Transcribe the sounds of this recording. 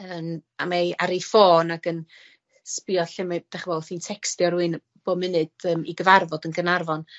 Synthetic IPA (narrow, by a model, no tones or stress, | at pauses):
əːma̰maaɾefoːnaɡən | spiɔɬɪmad̥ɛχvɛlˠθiːntʰɛkstjɔɾuɨn | b̥oːmɨnɨd̥əːmiɡəvarvɔdənɡənarvɔn